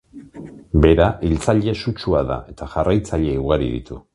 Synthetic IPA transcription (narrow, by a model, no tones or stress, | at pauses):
be̞ɾaʔilt͡saʎe̞sut͡ʃuaða̰ʔe̞t̪aʝarajt͡saʎe̞iuɣaɾḭðḭt̪u